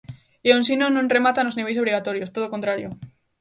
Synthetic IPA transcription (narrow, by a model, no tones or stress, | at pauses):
eonsinonõnremat̪anozniβejso̞β̞ɾiɣat̪oɾjost̪oðokont̪ɾaɾjo